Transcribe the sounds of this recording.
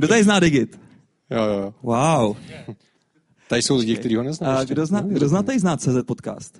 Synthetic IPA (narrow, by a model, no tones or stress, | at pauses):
ɡdot̪adɪznaːdɪɡɪt̪ | jojojwaw | t̪adɪsowlɪɟɪk̪ɛɾiːɦonɛznaɡdoznaːɡdoznaːt̪aɪznaːt͡sɛːzɛt̪̚pot̪ka̰ːst̪